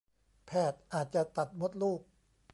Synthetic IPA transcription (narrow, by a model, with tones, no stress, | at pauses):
pʰɛː˨˩t̪̚ʔaː˨˩t̪̚t͡ɕa˨˩t̪a˨˩t̪̚mo˦˥t̪̚luː˥˩k̚